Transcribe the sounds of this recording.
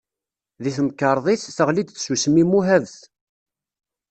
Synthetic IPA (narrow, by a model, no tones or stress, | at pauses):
ðiθəmkːɑɾˤðˤisθəʁlid̪θsusəmimuɦævθ